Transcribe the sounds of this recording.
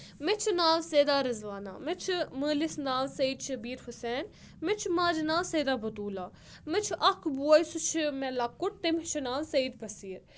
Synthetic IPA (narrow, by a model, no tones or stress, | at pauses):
met͡ʃʰnaːlseːd̪aːɾɐzʋaːna̰ːmet͡ʃʰməːlisnaːlsɐiːd̪ʃɐbiːɾhʊsɛːn | met͡ʃʰmaːd͡ʒnaːlseːd̪aːbɐt̪uːlaː | met͡ʃʰʔɐkʰbuɐjsut͡ʃʰmɛlaːkʊʈ̚t̪emɪt͡ʃʰnaːlsɐiːd̪bɐsiːɾ